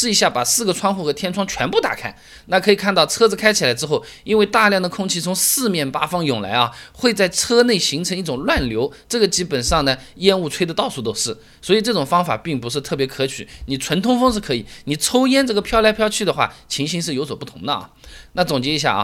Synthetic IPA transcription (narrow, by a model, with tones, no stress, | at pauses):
ʂɻ̩˥˩i˧˥ɕja˥˩pa˨˩sɹ̩˥˩ɡə˩ʈ͡ʂʰwɑ˥ŋxu˥˩xɤ˧˥t̪ʰjɛ˥nʈ͡ʂʰwɑ˥ŋt͡ɕʰɥɛ˧˥npu˥˩t̪a̰˨˩kʰa˥˩ɪ | na˥˩kʰɤ˧˥i˨˩kʰa˥˧nt̪ɑ˥˩ʊt͡sʰɤ˥ɹ̩˧kʰa˥ɪt͡ɕʰi˨la˧˥ɪʈ͡ʂɻ̩˥xo˥˩ʊi˥nwe˥˧ɪt̪a˥˧ljɑ˥˩ŋd̪ə˩kʰʊ˥ŋt͡ɕʰi˥˩t͡sʰʊ˧˥ŋsɹ̩˥˧mjɛ˥˩npa˥fɑ˥ŋjʊ˨˩ŋla̰˧˥ɪɐ˧xwe˥˧ɪt͡sa˥˩ɪʈ͡ʂʰɤ˥ne˥˩ɪɕi˧˥ŋʈ͡ʂʰɤ˧˥ŋi˥˩ʈ͡ʂʊ˨˩ŋlwa˥˩nljo˧˥ʊʈ͡ʂɤ˥˩ɡə˩t͡ɕi˥pə˨˩nʂɑ˥˩ŋnə˩jɛ˥˧nu˥˧t͡sʰwe˥ɪd̪ə˧t̪ɑ˥˧ʊsu˥˩t̪o˥ʊʂɻ̩˥˩ | swɔ˧˥i˨˩ʈ͡ʂɤ˥˩ʈ͡ʂʊ˨˩ŋfɑ˥ŋfa̰˨˩pi˥˩ŋpu˧˥ʂ̬ɻ̩˥˧t̪ʰɤ˥˩p̬jɛ˧˥kʰɤ˧˥t͡ɕʰy˨˩˦ni˨˩ʈ͡ʂʰwə˧˥nt̪ʰʊ˥ŋfɤ˥ŋʂɻ̩˥˩kʰɤ˧˥i˨˩ni˨˩ʈ͡ʂʰo˥ʊjɛ˥nʈ͡ʂɤ˥˩ɡə˩pʰjɑ˥˧ʊljɑ˥pʰjɑ˥˧ʊt͡ɕʰy˥˩d̪ə˩xwa̰˥˩t͡ɕʰi˧˥ɕi˧˥nʂ̬ɻ̩˥˩jo˧˥ʊswɔ˨˩pu˥˩t̪ʰʊ˧˥ŋd̪ə˧ɐ̰˩na˥˩t͡sʊ˨˩ŋt͡ɕjɛ˧˥i˧˥ɕ̬ja̰˥˩ɐ̰˩